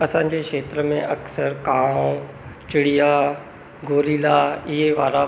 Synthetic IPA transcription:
ɐsãɲ̆d͡ʑeːʃeːt̪ɾəmẽʔɐksəɾkãː | t͡ɕɪɽija | ɡoːliːlaɪɦeʋaːɾa

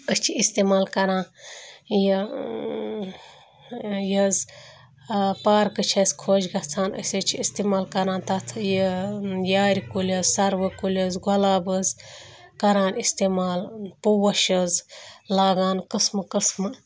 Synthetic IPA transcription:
əst͡ʃʰiist̪eːmaːlkɐɾãːn | ji | jɐz | paːɾkɨt͡ʃʰɐsʲkʰoːd͡ʒɡɐt͡sʰaːnə̰sʲɐt͡ʃʰiist̪emaːlkɐɾãːnt̪ɐt̪ʰjəjaːɾʲikulʲɐzsɐɾʋəkulʲɐzɡɔlaːbəz | kɐɾaːnist̪eːmaːlpuwɐʃəzlaːɡaːnkɨsmɨkəsmɨ

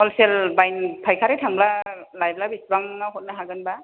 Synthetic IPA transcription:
ɔlselbajnpʰajkʰaɾetʰaŋblalajb̚labisbaŋnaɦot̚naɦaɡɯnba

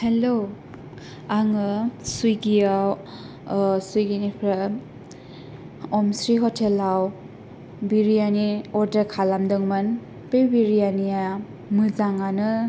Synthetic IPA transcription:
helo | aŋɯsujɡijaw | sujɡinipʰɾa | ɔmsɾiɦɔtʰelaw | biɾijaniɔɾdəɾkʰalamdɯŋman | pejbiɾijanija | mɯzaŋanɯ

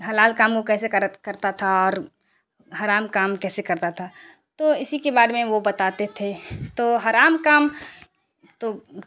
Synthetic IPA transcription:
ɦɐlaːlkaːmkokɛːsekəɾt̪kɐɾt̪at̪ʰaɔːɾ | ɦaɾaːmkaːmkɛːsekɐɾt̪at̪ʰa | t̪oɪsikebaːɾmẽʋobɐt̪aːt̪et̪ʰet̪oɦaɾaːmkaːm | t̪o

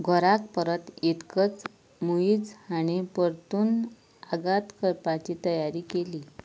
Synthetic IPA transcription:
ɡʱɔɾakpəɾət̪it̪kət͡s | muid͡zañipəɾt̪uːn | aɡat̪kəɾpat͡ɕiːt̪əjaɾiːkeliː

